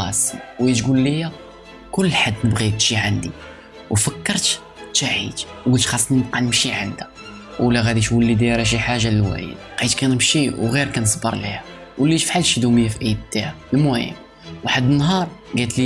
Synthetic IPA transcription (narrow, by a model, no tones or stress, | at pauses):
ɑ̰sˤːiwit̪ɡulːijæ | kʊlːħad̪ːnəbɣikʃiʕand̪i | wfəkːəɾˤt̪ | t̪ːaʕḭt̪wɡult̪xɑsˤːniqɑnəmʃiʕand̪æ | wlːæɣæd̪iʃwəlːid̪ɾæʃ̬iħaʒallwæ̰jə̰d̪qæt̪kænəmʃiwɣiɾkænəsˤbə̰ɾˤlḭhæ | wəlːiʃfħalʃid̪uməjːafiʔijb̪̚t̪ːahælmuhə̰mː | wħad̪ːənːɦɑɾˤɡæt̪li